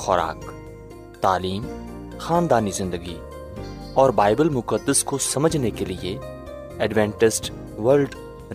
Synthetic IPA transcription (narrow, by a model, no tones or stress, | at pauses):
xɔɾa̰ːk | t̪aːliːm | xaːnd̪aːnizɪ̃nd̪əɡi | ɔːɾbaːɪbəlmʊkəd̪ːəskosɐməd͡ʒʱnekelɪe | ɛɖʋɛ̃ːɳʈɪsʈ | ʋəɾlɖ